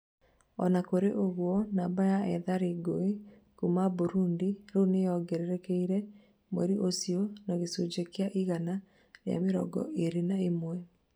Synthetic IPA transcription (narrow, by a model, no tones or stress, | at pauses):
ɔnakoɾeʔoɣwɔnabajaɛðaɾeɡoe | kumaboɾundiɾonejɔɡɛɾɛɾɛkɛiɾɛ | mwɛɾiʔosiɔnaɣesod͡ʒekeaʔiɣana | ɾea̰meɾɔ̰ɡɔ̰ʔeɾenaemwɛ